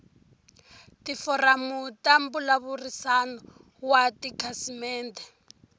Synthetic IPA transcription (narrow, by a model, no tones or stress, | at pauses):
tifɔramutambulaβurisanɔ | watikʰasimɛːntɛ